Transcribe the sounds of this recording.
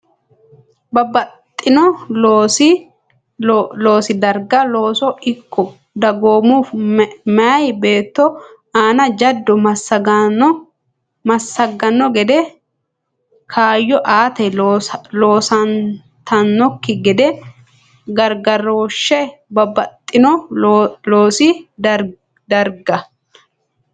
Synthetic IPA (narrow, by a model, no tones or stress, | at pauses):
bɐbɐt̪ʼːɪnɔoːsɪ | loːsɪd̪ɐɾɡɐloːsɔɪkːɔ | d̪ɐɡoːmufmɛʔɐjbe̞ːt̪ːɔ | aːnɐd͡ʒɐd̪ːɔɐsɐɡɐ | mɐsːɐɡːɐnːɔɡɛd̪ɛ | kʰaːjːɔʔaːt̪ɛlo̞ːsɐn | t̪ɐnːɔkːɪɡɛd̪ɛ | ɡɐɾɡɐɾoːʃːɛbɐbɐt̪ʼːɪnɔ | loːsɪ | d̪ɐɾɡɐ